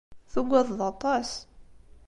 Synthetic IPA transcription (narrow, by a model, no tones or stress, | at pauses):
θuɡʷːæðˤðɑt̪ˤɑs